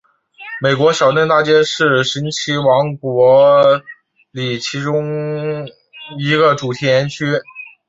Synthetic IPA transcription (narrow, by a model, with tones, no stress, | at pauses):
me˨˩ɪkwɔ˧˥ɕjɑ˨˩ʊʈ͡ʂə˥nt̪a˥˩t͡ɕjɛ˥ʂɻ̩˥˩ʂi˧˥nt͡ɕʰi˧˥wɑ˧˥ŋkwɔ˧˥ | li˨˩t͡ɕʰi˧˥ʈ͡ʂʊ˥ŋ | i˧˥ɡə˧ʈ͡ʂu˨˩t̪ʰɛ˥jɛ˧˥nt͡ɕʰy˥